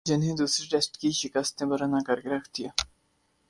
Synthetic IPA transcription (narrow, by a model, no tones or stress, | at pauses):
d͡ʒɪnɦẽd̪uːsɾiʈesʈkiʃɪkəst̪ẽbɐɾanakɐɾkeɾɐkʰt̪ijaː